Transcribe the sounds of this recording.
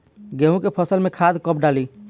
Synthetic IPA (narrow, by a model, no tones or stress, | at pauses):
ɡeɦũkepʰəsəlmẽkʰad̪kəpɖali